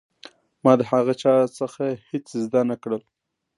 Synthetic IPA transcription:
mɑd̪əhaɣət͡ʃɑɾot͡səxahet͡szd̪anakɽəl

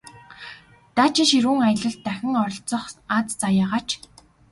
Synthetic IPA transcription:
t̪aːt͡ɕɪ̆ŋʃiɾuːŋajə̆ɮɞ̆ɮt̪ːæxʲɪ̆ŋɔɾɞ̆ɬt͡sɞ̆χat͡st͡sajaːʁaːt͡ɕʰ

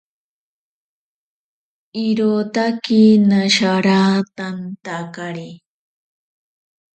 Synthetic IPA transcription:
iɾot̪akinaʃaɾaːt̪ant̪akaɾi

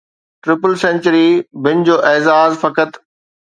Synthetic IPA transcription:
ʈɾɪpəlsɛ̃nt͡ɕəɾibɪnd͡ʑoːʔeːzaːzfɐkət̪

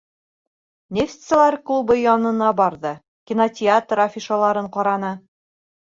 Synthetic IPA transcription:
nʲeft̪sɤ̆lˠɑɾklˠubɤjɑnɤ̆nɑbɑɾðɤ | kʲinotʲɪat̪rafʲiʃalˠɑɾɤɴqɑɾɑnɤ

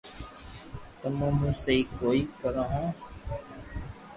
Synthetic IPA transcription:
t̪əmũːmũːseiːkoːiːkəɾaɦõː

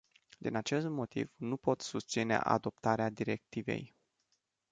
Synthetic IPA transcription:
d̪inat͡ʃe̞st̪mo̞t̪ḭvnupo̞t̪sust̪sinḛʔa̰d̪o̞p̚t̪aɾead̪iɾe̞k̚t̪ive̞̰j

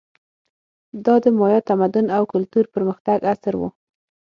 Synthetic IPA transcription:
d̪ɑd̪əmɑjɑt̪amad̪ʊnawkʊlt̪uɾpəɾməxt̪aɡasɾwṵ

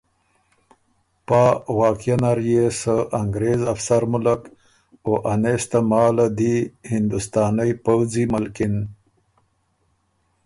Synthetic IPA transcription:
pawɑːkijanaɾjesəʔaŋɡɾezafsaɾmʊlak | oʔanest̪amɑːlad̪ihɪnd̪ʊst̪ɑːnajpawd͡zimalkɪn

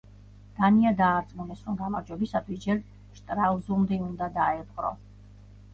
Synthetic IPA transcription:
d̪̥aniad̪aːt̪sʼmunɛsɾɔmɡamaɾd͡ʒwɛbisat̪ʰwisd͡ʒɛɾ | ʃt̪ʼɾavzulˠmd̪ɛund̪ad̪aɛbqʼɾɔ̰

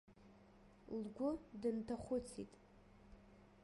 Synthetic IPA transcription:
lɡʷʊdɨntʰaχʷʊt͡sʰḭtʼ

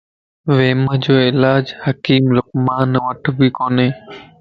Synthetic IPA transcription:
ʋeːməd͡ʒoːɪlaːd͡ʒhəkiːmlʊkmaːnʋəʈʰbiːkoːneː

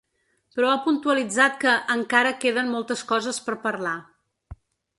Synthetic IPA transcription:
pɾɔapunt̪uəlid͡zat̪̚kəʔəŋkaɾəkeðənmɔlˠt̪əskɔzəspəɾpərla

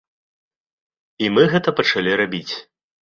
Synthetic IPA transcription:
imɨɣɛt̪ɐpɐt͡ʂalʲiɾabʲit͡sʲ

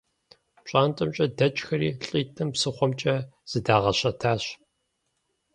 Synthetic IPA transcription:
ɕʼaːntʼɐmt͡ʃʼɐdɐt͡ʃʼxɐɾiːɬʼiːtʼɨmpsɨχʷɔmt͡ʃʼɐz̥ɨdaːʁɐɕɐtʰaːɕ

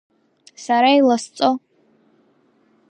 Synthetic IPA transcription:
saɾailast͡sʼo

